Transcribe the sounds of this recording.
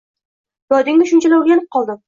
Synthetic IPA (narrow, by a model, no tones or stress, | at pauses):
j̪ɒd̪ɪŋʊʃʊnt͡ʃʰalaʊɾɡʲanɪp̚qʰɒlˠd̪ɪm